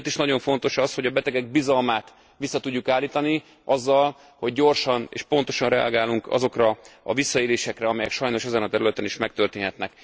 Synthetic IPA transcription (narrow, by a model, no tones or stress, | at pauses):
t̪iʃnɒɟo̞ɱfo̞nt̪o̞ʃɒsho̞ɟɒbɛt̪ɛɡɛɡ̚bizɒlmaːt̪ | ʋisːɒt̪uɟːukaːlːiːt̪ɒni | ɒzːɒl | ho̞ɟːo̞rʃɒnḛːʃpo̞nt̪o̞ʃɒnrɛɒɡaːlːuŋkɒ̰zo̞krɒɒ̰visːɒeːleːʃɛkrɛɒmɛjɛkʃɒjno̞ʃɛzɛnɒt̪ɛɾylɛt̪ɛniʃmɛk̚t̪ørt̪eːnɦɛt̪nɛk